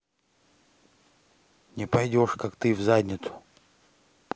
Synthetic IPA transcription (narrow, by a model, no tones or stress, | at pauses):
nʲɪpɐjdʲo̞ʂkakt̪ɨvzadʲnʲɪt̪sʊ̥